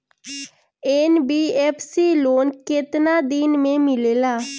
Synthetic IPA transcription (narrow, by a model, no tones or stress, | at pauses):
eːnbiːɛːpʰsiːloːnkɪt̪naːd̪ɪnmẽːmɪleːlaː